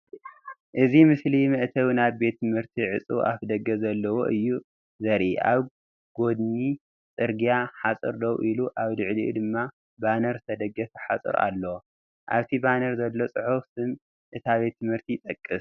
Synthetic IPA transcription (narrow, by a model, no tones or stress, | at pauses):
ʔɨzimɨslimɨʔt̪ʰɐwnaβbe̞t̪ʰːɨmhɨɾt̪ʰiʕɨt͡sʼɨʔa̰fd̪ɐɡɐzɐlːɐwo̰ʔɨjːu | zɐɾʔiʔa̰β | ɡ̥o̞d̪ni | t͡sʼɨɾɡijaħasʼɨ̰ɾd̪ɐwʔiluʔaβd̪ɨʕlḭʔd̪ɨmːa | banɐɾt̪ʰɐd̪ɐɡɐfħat͡sʼɨ̰ɾa̰lːɐwo | ʔaβt̪ʰibanɐɾzɐlːo̞t͡sʼɨħufsɨm | ʔɨt̪ʰaβe̞t̪ʰːɨmhɨɾt̪ʰit̪ʼɐkʼːɨs